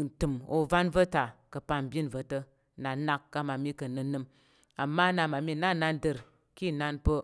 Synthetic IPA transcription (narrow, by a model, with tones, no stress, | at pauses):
n̩˨tɨ˨mo̰˨va˦nvə˦ta˨kə˨pa˧m˨bʲi˦nvə˧tə˧ | na˨na˧kːa˧ma˨mi˦kə˨nɨ˧nɨ˧m | a˨mːa˦na˧ma˨mi˦˨na˦na˧ndə˧ɾ | ki˦˨na˧npə˧